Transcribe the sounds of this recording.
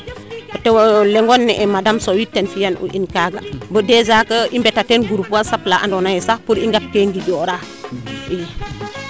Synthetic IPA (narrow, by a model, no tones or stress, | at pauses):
b̥ətewolɛŋɡonːɛʔɛmadamsowitːenfijanṵʔḭnkaɡambədezakəimbetatenɡuɾufuwasaplaʔa̰ndɔnajɛsahpuɾiŋɡap̚keŋɡid͡ʒɔɾa | i